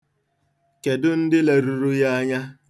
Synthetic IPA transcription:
ke˨dʊ˦n̩˦dɪ˦le˨ɾu˨ɾu˦ja˦a˦ɲa˦

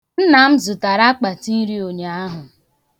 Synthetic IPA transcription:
n̩˦na˨m̩˦zʊ˨ta˨ɾa˦k͡pa˨ti˦ɾi˦o˨ɲe˨˦a˦ɦʊ˨

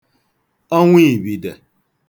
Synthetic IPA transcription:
o˦ŋʷi˦˨bi˨de˨

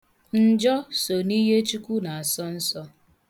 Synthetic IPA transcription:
n̩˨d͡ʒɔ˦so˨ni˦ɦe˦t͡ʃu˦kʷu˦na˨a˨sɔ˦n̩˦sɔ˦

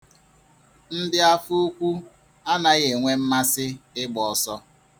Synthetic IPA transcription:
n̩˦dɪ˦a˦fu˦kʷu˦ | a˦na˨ɣe˨ŋʷe˦m̩˦ma˦sɪ˦ɪ˦ɡ͡bɔ˨sɔ˦

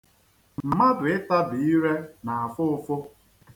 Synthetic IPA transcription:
m̩˨ma˦dʊ˨ɪ˦ta˦bʊ˨i˦ɾe˦na˨a˨fʊ˦ʊ˦fʊ˦

